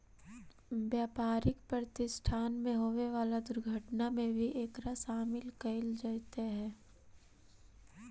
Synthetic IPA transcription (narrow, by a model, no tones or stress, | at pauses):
ʋjaːpaːɾɪkpɾəɾət̪ɪsʈʰaːnmẽɦoːʋeʋaːlad̪ʊɾɡʱəʈnamẽbʱiʔeːkɾasaːmɪlkɐɪld͡ʒət̪eɦɛ̃ː